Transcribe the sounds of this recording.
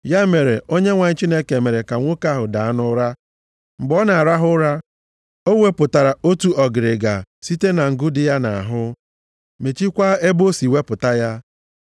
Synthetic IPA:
ja˦me˨ɾe˨o˦ɲe˦ŋʷa˨ɲ̩˦t͡ʃi˦ne˦ke˨me˨ɾe˨ka˨ŋʷo˦ka˦ɦʊ˨da˨a˦nʊ˦ɾa˦ | ŋ͡m̩˨ɡ͡bɔ˦na˨a˨ɾa˦ɦʊ˦ɾa˦ | o˦we˦pʊ˨ta˨ɾa˨o˦tu˦ɔ˨ɡɪ˨ɾɪ˨ɡa˨si˦te˦na˨ŋ̩˨ɡʊ˦dɪ˦ja˦na˨a̰˨ɦʊ˦ | me˨t͡ʃi˦kʷa˦e˦bo˦si˨we˦pʊ˨ta˦ja˦

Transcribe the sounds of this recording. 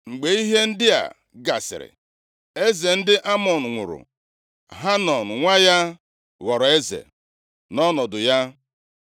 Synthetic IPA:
ŋ͡m̩˨ɡ͡be˨i˦ɦe˦n̩˦dɪ˦a̰˨ | ɡa̰˨sɪ̰˨ɾɪ̰˨ | e˦ze˨n̩˦dɪ˦ʔa˦mɔ˨n̩˨ŋʷʊ̰˨ɾʊ̰˨ | ɦa˦nɔ˨n̩˨ŋʷa˦ja˦ | ɣɔ˨ɾɔ˨e˦zḛ˨ | nɔ˦nɔ˨dʊ˨ja˦

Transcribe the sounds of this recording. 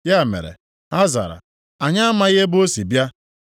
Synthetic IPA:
ja˦˨mḛ˨ɾḛ˨ | ha˦za̰˨ɾa̰˨ | a˨ɲa˦a˦ma˦je˦bo˦si˨bja˦

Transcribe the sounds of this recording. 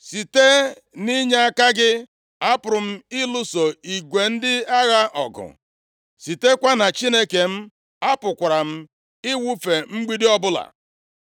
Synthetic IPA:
si˨te˦ | ni˦ɲe˦a˦ka˦ɡɪ˦ | a˦pʊ˨ɾʊ˨m̩˦ɪ˦lʊ˦so˨i˨ɡʷe˨n̩˦dɪ˦a˦ɣa˦ʔɔ̰˨ɡʊ̰˨ | si˨te˦kʷa˦na˨t͡ʃi˦ne˦ke˨m̩˦ | a˦pʊ˨kʷa˨ɾa˨m̩˦ | ɪ˦wu˦fe˨ŋ͡m̩˦ɡ͡bi˦dɪ˦ɔ˦bʊ˦la̰˨

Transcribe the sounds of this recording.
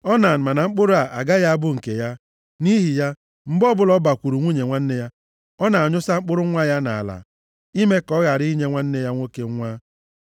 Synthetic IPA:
ɔ˦na˨n̩˨ma˨na˨ŋ͡m̩˦k͡pʊ˦ɾʊ˦a˨ʔa̰˨ɡa˦ja˦a˦bʊ˦ŋ̩˨ke˨ja˦ | ni˦ɦi˨ja˦ | m̩˦bɔ˦bʊ˦lɔ˦ba˨kʷu˨ɾu˨ŋʷu˦ɲe˨ŋʷa˦n̩˦ne˦ja˦ | ɔ˦na˨a˨ɲʊ˦sa˦ŋ͡m̩˦k͡pʊ˦ɾʊ˦ŋʷa˦ja˦na˨la̰˨ | i˦me˦kɔ˦ɣa˨ɾi˦i˦ɲe˦ŋʷa˦n̩˦ne˦ja˦ŋʷo˦ke˦ŋʷa˦

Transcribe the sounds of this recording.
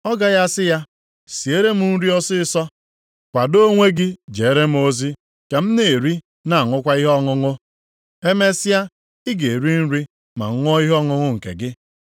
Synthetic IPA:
ɔ˦ɡa˨ja˦sɪ˦ja˦ | si˨e˦ɾe˦m̩˦n̩˦ɾi˦ɔ˦sɪ˦ɪ˦sɔ˦ | kʷa˨do˦ŋʷe˦ɡɪ˦d͡ʒe˨e˦ɾe˦m̩˨˦o˦zi˦ | ke˨m̩˦ne˨ɾi˦ | na˨ŋʷʊ˦kʷa˦i˦ɦɔ˦ŋʊ˦ŋʊ˦ | e˦me˦sɪ˦a˦ | ɪ˦ɡe˨ɾi˦n̩˦ɾi˦ | ma̰˨ŋ̩˦ŋʷ˦ɔ˦i˦ɦɔ˦ŋʊ˦ŋʊ˦ŋ̩˨kḛ˨ɡɪ˦

